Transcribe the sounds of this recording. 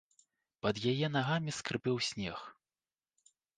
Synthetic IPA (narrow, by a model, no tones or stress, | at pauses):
pɐd̪jajɛn̪aɣamʲiskɾɨpɛwsʲnʲɛx